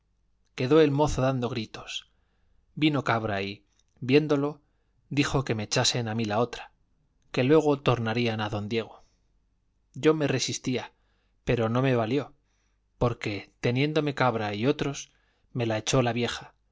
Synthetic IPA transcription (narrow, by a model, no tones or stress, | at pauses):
ke̞ðo̞e̞lmo̞θo̞ðand̪o̞ɣ̞ɾit̪o̞̥s | bino̞kaβɾai | βje̞nd̪o̞lo̞ | ðixo̞ke̞me̞ːt͡ʃase̞namilao̞t̪ɾḁ | ke̞lwe̞ɣ̞o̞t̪o̞ɾnaɾianaðo̞nd̪je̞ɣ̞o̞ | ɟ͡ʝo̞me̞re̞sist̪ia | pe̞ɾo̞no̞me̞βaljo̞ | po̞ɾke̞t̪e̞njẽ̞nd̪o̞me̞kaβɾaio̞t̪ɾo̞s | me̞lae̞t͡ʃo̞laβje̞xa